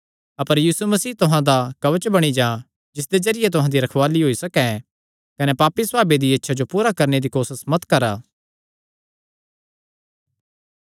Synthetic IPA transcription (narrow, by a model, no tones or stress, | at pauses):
ɐpəɾjiːsumɐsiːt̪ʊɦãd̪akɐʋət͡ʃbɐɽ̃id͡ʒaː | d͡ʒɪs̬d̪ezɐɾɪjet̪ʊɦãd̪iɾɐkʰʋaːliɦoːisɐkɛ | kɐnepaːpːisaːbed̪iɐtːʃʰad͡ʒopuːɾakɐɾned̪ikoːsəsmɐt̪kɐɾaː